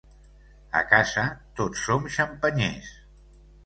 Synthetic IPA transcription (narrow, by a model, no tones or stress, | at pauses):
ə̰kazət̪osːomʃəmpəɲḛs